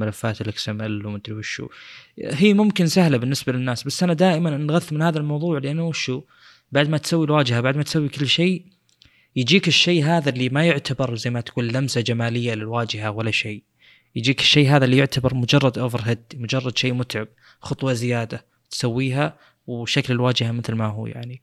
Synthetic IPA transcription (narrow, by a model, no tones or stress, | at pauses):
malafːaːt̪lːɪksamʔalːmɪnt̪ɾiwɪʃṵːɦiːmʊmkɪnsahlabɪnːɪsbalɪnːaːsbasːʔanad̪aːʔɪmannɣaθːmɪnhaːðalmɑwðˤuːʕlɪʔanːʊʃuː | baʕd̪mat̪sawːilwaːd͡ʒɪhabaʕd̪mat̪sawːikɪlːʃeː | jɪd͡ʒiːkɪʃːeːɦaːðalːimajʊʕt̪abɑɾˤzajːmat̪ḁkuːnːamsad͡ʒamaːlɪjːalɪlwaːd͡ʒɪɦawalːaʃeː | jɪd͡ʒiːkɪʃːeːɦaːðalijʊʕt̪ʰabɑɾˤmʊd͡ʒɑrˤːɑd̪ʔʊfɾɦɪd̪mʊd͡ʒɑrˤːɑd̪ʃeːmʊt̪ʕɪb̚ | xʊt̪ˤwɑzɪjaːd̪a | t̪sawːiːɦa | wʃːaklɪlwaːd͡ʒɪhamɪθlmaɦṵːja̰ʕni